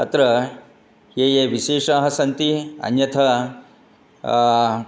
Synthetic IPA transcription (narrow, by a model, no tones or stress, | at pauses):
ɐt̪ɾɐ | jeːjeʋiʃeːʂɐɦɐsɐnt̪iɐ̰njɐt̪ʰɐ